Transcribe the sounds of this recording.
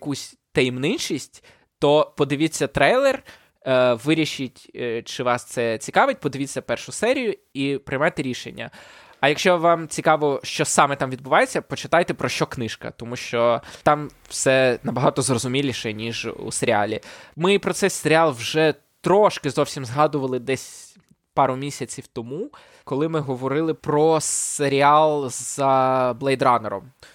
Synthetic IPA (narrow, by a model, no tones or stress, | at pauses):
kusʲ | t̪ɐjmnɪnt͡ʃisʲtʲ | t̪ɔpɔd̪ɪʋʲɪt͡sʲːɐt̪ɾɛjlˠɛr | ʋɪɾʲiʃɪtʲt͡ʃɪʋɑst̪sɛt͡sʲikɑʋɪt̚ʲpɔd̪ɪʋʲit͡sʲːɐpɛrʃʊsɛɾʲijʊ | ipɾɪjmɑjt̪eɾʲiʃḛnʲːɐ̰ | ɐjɐkʃt͡ʃɔʋɑmt͡sʲikɑʋɔʃt͡ʃɔsɑmɛt̪ɑmʋʲid̪bʊʋɑjet͡sʲːɐpɔt͡ʃɪt̪ɑjt̪ɛpɾɔʃt͡ʃɔknɪʃkɐ̰t̪ɔmuʃt͡ʃɔt̪ɑm | wsɛnɐbɐɦɑt̪ɔzrɔzʊmʲilʲiʃɛnʲiʒṵseɾʲɪɑlʲḭmɪipɾɔt̪sɛjseɾʲɪɑlˠwʒɛ | t̪ɾɔʃkɪzɔwsʲimzɦɑd̪ʊʋɐlˠɪd̪ɛsʲ | pɑɾʊmʲisʲɐt͡sʲiwt̪ɔmu | kɔlˠɪmɪɦɔʋɔɾɪlˠɪpɾɔseɾʲiɑlˠzɐblˠɛjd̪ɾɑnɛɾɔ̰m